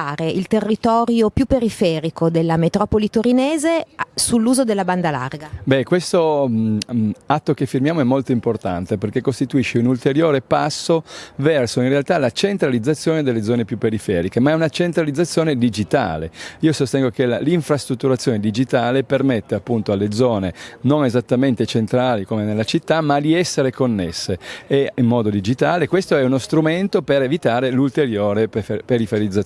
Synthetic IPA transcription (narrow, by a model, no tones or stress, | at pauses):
aːɾeʔilt̪erːit̪ɔːɾjopjupːeɾifɛːɾikod̪elːamet̪ɾɔːpolit̪oɾineːzesulːuːzod̪elːaband̪ala̰rɡabɛkwest̪o | at̪ːokefːirmjaːmoɛmːolt̪oimport̪a̰nt̪eperkekːost̪it̪uiʃːeunult̪eɾjoːɾepasːovɛrsoinrealt̪alat͡ʃent̪ɾalid̪zːat̪sːjoːned̪elːed̪zɔːnepjupːeɾifɛ̰ːɾikemaɛunat͡ʃent̪ɾalid̪zːat̪sːjoːned̪id͡ʒit̪a̰ːlḛiːosost̪ɛŋɡok̟elaliɱfɾast̪ɾut̪ːuɾat̪sːjoːned̪id͡ʒit̪aːlepermet̪ːeapːunt̪oalːed̪zɔːnenonezat̪ːament̪et͡ʃent̪ɾaːlikomenelːat͡ʃit̪ːamad̪iɛsːeɾekonːesːeeimːɔːd̪od̪id͡ʒit̪aːlekwest̪oɛunost̪ɾument̪opeɾevit̪aːɾelult̪eɾjoːɾeepeɾifeɾid̪zːa